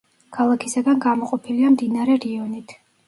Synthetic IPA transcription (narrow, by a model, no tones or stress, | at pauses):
kʰalˠakʰisaɡanɡamɔqʼɔpʰiliamd̪inaɾɛɾiɔnit̪ʰ